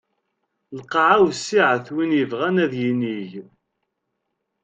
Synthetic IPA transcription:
lqʕawsːiʕθwinjəvʁænæðjiniʝ

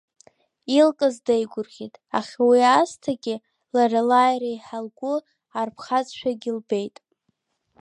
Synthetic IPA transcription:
ilkʼazdejɡʷʊrχʲitʼa̰χʲawiastʰaɡʲɪ | laralajɾajħalɡʷʊ | arpʰχat͡sʼʃᶣaɡʲilbe̞jtʼ

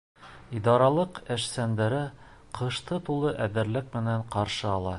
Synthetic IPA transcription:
id̪ɑɾɑlˠɤqæʃsænd̪æɾɘ | qʰɤ̆ʃt̪ɤt̪ulˠɤʔæðɘ̆ɾlɘk̚mɘ̆næɴqɑɾʃɤɑlˠɑ

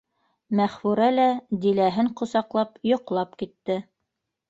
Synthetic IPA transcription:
mæχfuɾælæd̪ilæɦɘɴqŏsɑqlˠɑpjŏqlˠɑpkit̪ːɘ

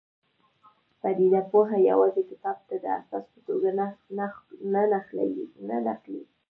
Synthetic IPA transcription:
fad̪id̪apoɦaja̰wɑzekɪt̪ɑb̚t̪ad̪əa̰sɑspət̪oɡannnanaxla̰winanaxli

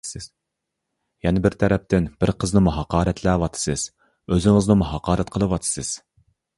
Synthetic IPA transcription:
jɛnɪbɪɾt̪ʰɛɾɛp̚t̪ɪnbɪɾqʰəznɨmuɦɑqɑːɾɛt̪ʰlæːwɑt̪ʰɨ̥sɨz̥ | øzɪŋɪznɨmuɦɑqʰɑːɾɛt̪̚qʰəlˠɨwɑt̪ʰɨ̥sɨz̥

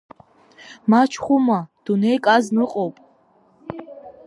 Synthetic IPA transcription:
mat͡ʃʰχumad̪̥unɛjkʼaznɨqʼɔpʼ

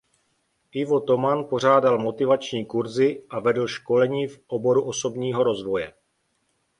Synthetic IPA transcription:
ʔɪvo̞t̪o̞manpo̞r̝aːdalmo̞t̪ɪvat͡ʃɲiːkuɾzɪʔavɛdl̩ʃko̞lɛɲiːfʔobo̞ɾuʔoso̞bɲiːɦo̞ɾo̞zvo̞jɛ

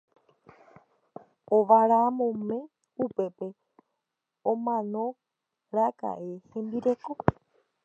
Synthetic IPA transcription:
oʋaɾamõmẽ̞ | upe̞pe̞ | õmãnõ̞ | ɾaka̰ʔe̞hẽ̞mbiɾe̞ko̞

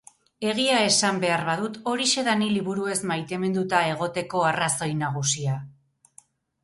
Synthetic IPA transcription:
e̞ɣ̞iae̞sambe̞aɾβaðut̪o̞ɾise̞ðaniliβuɾue̞zmajt̪e̞me̞nd̪ut̪ae̞ɣ̞o̞t̪e̞ko̞araso̞jnaɣ̞usia

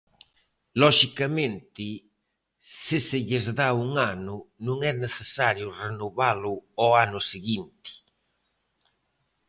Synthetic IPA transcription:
lɔʃikamẽnt̪ɪ | sɪsɪʎɪzðauŋanʊnũŋɛneθesaɾjʊrenoβalʊɔanʊsiɣint̪ɪ̥

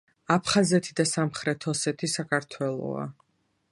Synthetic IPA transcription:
apʰχazɛt̪ʰid̪asamχɾɛt̪ʰɔsɛt̪ʰisakʰaɾt̪ʰwɛlˠɔ̰a̰

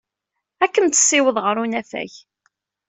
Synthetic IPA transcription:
ækːənt̪ə̥sːiwəðˤʁəɾunæfæ̰ç

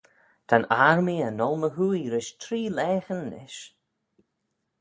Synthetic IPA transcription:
t̪ʰanaɹmianɔlˠməɦuːjɾɪʃtʰɾiːlɛːxənːɪ̰ʃ

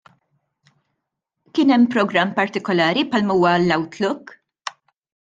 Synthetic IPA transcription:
kɪːnɛmːpɾɔɡɾɐmːpɐɾt̪ɪkɔlɐːɾipħɐlmɐuːwɐlːɐwt̪lʊkː

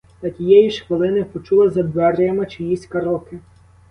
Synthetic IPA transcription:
t̪ɐtʲijɛjiʃxʋɪlˠɪnɪpɔt͡ʃulˠɪzɐd̪ʋɛrjɐmɪt͡ʃɪjisʲkɐɾɔkɪ

